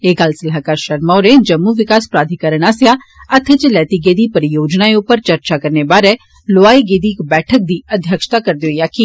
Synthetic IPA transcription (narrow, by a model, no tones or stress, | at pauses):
eːɡaːlsɐlɦakaːɾʃɐɾmaːɾẽd͡ʒɐmːuʋɪkaːspɾaːd̪ʱikəɾəɽ̃aːsja | ɐt̪ʰet͡ʃlɛːt̪iɡeːd̪ipɐɾijoːd͡ʒnaːeʊpəɾt͡ʃɐɾt͡ʃakɐɾnebaːɾɛ | loaːiɡeːd̪ikbɛːʈʰək̚d̪iɐd̪ʱjəkʃt̪akɐɾd̪eoijaːki